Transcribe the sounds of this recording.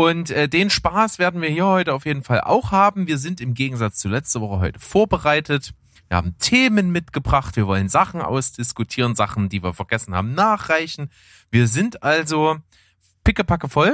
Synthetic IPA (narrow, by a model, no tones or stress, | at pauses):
ʔʊntʔɛːdeːnʃpaːsv̥eːɐdn̩viːɐhiːɐhɔʏtəaʊfjeːdn̩falʔa̰ʊxhaːbm̩viːɐzɪntɪmɡeːɡŋ̩zat͡st͡sulɛt͡stəvɔχəɦɔʏtə̥foːɐbəʁaɪtət | v̥iːɐha̰ːbm̩tʰeːmənmɪtɡ̥əbʁaχtv̥iːɐvɔlənzaχn̩ʔa̰ʊsd̥ɪskʊtʰiːʁənzaχn̩diːviːɐfɛɐɡ̥ɛsn̩ha̰ːbm̩naːχʁ̥aɪçn̩ | viːɐzɪntʔalzo | pʰɪkəpʰakəfɔl